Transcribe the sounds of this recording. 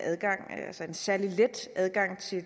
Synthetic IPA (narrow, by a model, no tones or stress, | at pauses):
æðˠɡ̥ɑ̈ŋ̰ælsəe̝nsæɐliled̥ʔæð̞ˠɡ̥ɑ̈ŋ̰t͡sʰe̝